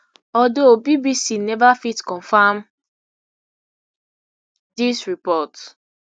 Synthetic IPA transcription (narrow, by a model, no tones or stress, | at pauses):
ɔdobibisinɛvafitkɔ̃nfam | disɹipɔt